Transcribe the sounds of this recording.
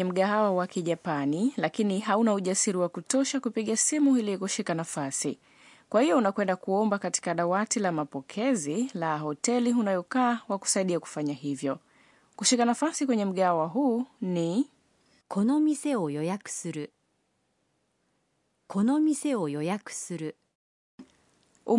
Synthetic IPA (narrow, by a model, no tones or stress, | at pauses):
ɛm̩ɠaɦawawakiʄapanilakiniɦaunauʄasiɾiwakutɔʃakupiɠasimuilikuʃikanafasḭ | kwʔahijɔunakwɛndakuɔmbakati̥kaɗawatilamapɔkʰɛzilaɦɔtɛliɦunajɔkaːwaku̥saiɗiaku̥faɲaɦivjɔ | kuʃikanafasikwɛɲɛm̩ɠawaɦuːni | ko̞nomʲise̞ojojakɯ̥sɨɾɯ | kʰo̞nomise̞ojojakɯ̥sɨɾɯ̟ | u